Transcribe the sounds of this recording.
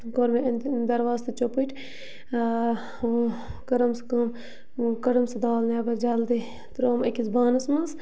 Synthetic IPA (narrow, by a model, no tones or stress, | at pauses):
ɡoɾmeɐnd̪d̪ɐɾʋaːst̪ɨt͡ʃopiʈʰʲ | kɐɾɐmskɐm | kɐɾɐmsɐd̪aːlnaːbɐɾd͡ʒɐːld̪i | t̪ɾoːmɐkʲisbaːnɐsmɐs